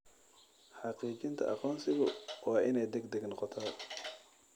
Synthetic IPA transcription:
ħɑqiːt͡ʃɪnt̪ʰɐ̰ʔɑqɔːnsɪɣʊwaːʔɪnɛjd̪ɛɡd̪ɛɡnɔqɔt̪ʰa

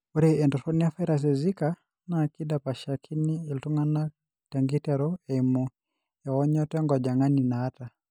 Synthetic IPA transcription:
uɾɛɛndɔtɔniafaiɾas̬ɛzika | nakidapaʃakʰiniːltuŋana | taŋɡitɛɾɔɛimu | jaɣɔɲɔtɛŋɡɔd͡ʒaŋaninaːta

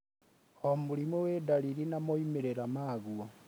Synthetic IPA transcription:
omulimuwedaliɾinamoimeɾeɾamaɣuo

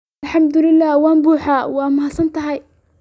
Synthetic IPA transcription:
lħɑmd̪ʊlɪlːaːhwɑːmbuːħaːwɑːmɐɦɐsɐnt̪ʰɐɦɐj

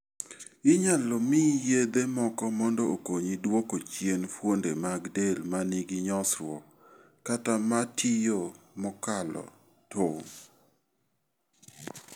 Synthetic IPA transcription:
ɪɲalɔmijed̪emɔkɔmɔndɔokoɲidwokot͡ʃjenfwondemaɡdelmaniɡiɲɔsɾwɔ̰ | katamatʰijo | mɔkalɔ̰ | tʰoŋ

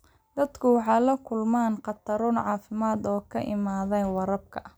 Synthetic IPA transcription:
d̪ɐd̪kʰʊwɑħɑːlɐkʰʊlmaːnqɑt̪ʰɐɾʊnʕɑːfɪmaːd̪ɔːkʰɐʔɪmaːðɛjwɑɾɐb̚kʰɐ

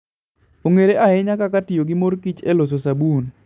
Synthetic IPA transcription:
oŋeɾeʔaɛɲakakatɪjoɡɪmoɾkit͡ʃelos̬osabun

